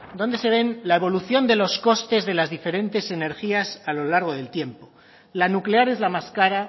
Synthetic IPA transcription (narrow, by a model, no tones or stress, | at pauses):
d̪o̞nd̪e̞se̞β̞e̞nlaeβ̞o̞luθjo̞nd̪e̞lo̞sko̞st̪e̞zðe̞lazðife̞ɾẽ̞nt̪e̞se̞ne̞ɾxiasalo̞laɾɣ̞o̞ðe̞lt̪je̞mpo̞ | lanukle̞aɾe̞zlamaskaɾa